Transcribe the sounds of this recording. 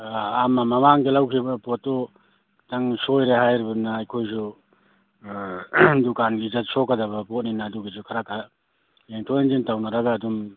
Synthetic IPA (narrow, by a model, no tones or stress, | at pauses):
amamamaŋɡelawkʰibɐpɔtːɔ | taŋsojɾeɦajɾibanaːjkʰojsu | dukanɡizat̚sɔkadabɐpɔt̚ninaːduɡisukʰaɾakːa | eŋtʰoenzintawnaɾaɡaːdum